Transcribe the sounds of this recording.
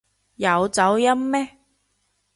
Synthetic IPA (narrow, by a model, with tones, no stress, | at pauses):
jɐ˨˧wt͡sɐ˨˧˥wjɐ˥mːɛː˦˥